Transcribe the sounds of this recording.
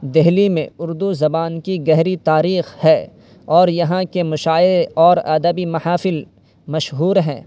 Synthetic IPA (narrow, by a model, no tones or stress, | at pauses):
d̪ɪɦlimẽʊɾd̪uzɐbaːnkiɡɛɦɾit̪aːɾiːxhɛː | ɔːɾjɐɦãkemʊʃaːeɔːɾɐ̰d̪əbimɐhaːfɪl | mɐʃɦuːɾɦɛ̰̃ː